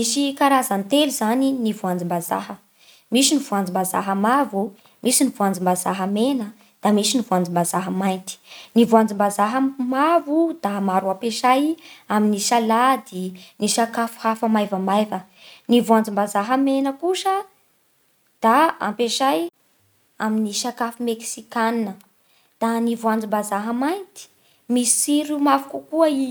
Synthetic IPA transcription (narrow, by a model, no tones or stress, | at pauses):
misikaɾazant̪eluzaninivuand͡zimbaza̰ɦə | misinivuand͡zimbaza̰ɦəmavu | mʔisinivuand͡zimbazaɦəmenə | d̪̥amisinivuand͡zimbazaɦəmajnt̪i̥nivuand͡zimbazaɦəmavud̪̥amaɾuampeʃajaminiʃalad̪iniʃakafu̥hafəmajvəmajvə | nivuand͡zimbazaɦəmenəkuʃə | d̪̥aa̰mpeʃaj | aminiʃakafumeksikannə | d̪̥anivuãnd͡zimbazaɦəmajnt̪i̥ | misiɾumavukukuəi